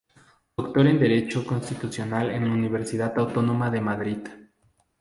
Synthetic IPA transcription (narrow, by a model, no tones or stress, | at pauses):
d̪̥okt̪o̞ɾe̞nd̪e̞ɾe̞t͡ʃo̞ko̞nst̪it̪usjo̞nalḛnlauniβ̞eɾsiðaðawt̪o̞no̞maðe̞maðɾið